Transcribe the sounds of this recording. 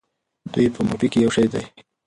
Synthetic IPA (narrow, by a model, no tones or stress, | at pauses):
d̪ujpəmʊpikejawʃajd̪aj